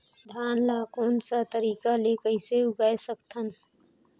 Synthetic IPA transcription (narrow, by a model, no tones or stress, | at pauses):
d̪ʱaːnlaːkoːnsat̪əɾiːkalekəiseʊɡaːjsəkt̪ʰən